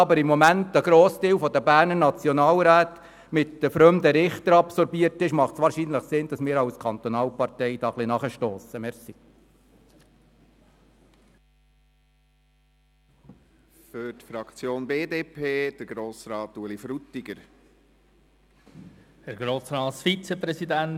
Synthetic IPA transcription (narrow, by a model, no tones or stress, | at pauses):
ɑbəɾɪmːɔmæntəɡ̥ɾoːsdiːwfɔd̪əbæːɾnənɑt͡sjɔnɑːlɾæːt̪ | mɪtd̪əfɾœmd̪əɾɪχt̪əɾɑpsɔɾbiəɾtɪʃmɑχtsʋɑːɾʃinləχsɪnd̥ɑsmɪːɾɑwskʰɑnt̪ɔnɑːlpɑrtɛɪd̥ɑːχlinɑχəʃtoːsəmɛɾsi | fʏɾtfɾɑkt͡sjoːnbeːdeːpʰeːd̥əɾɡ̥ɾoːsɾɑːt̪ulifɾut̪iɡ̥əɾ | hɛɾɡɾoːsɾɑːsfit͡səpɾɛsid̪æn